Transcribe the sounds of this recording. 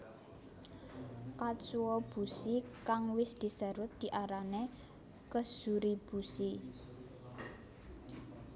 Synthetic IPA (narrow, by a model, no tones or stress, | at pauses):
kat͡ʃuwɔb̥usikaŋwɪsd̪̥i̤səɾʊt̪̚d̪̥i̤ʔaɾane | kəsuɾib̥usi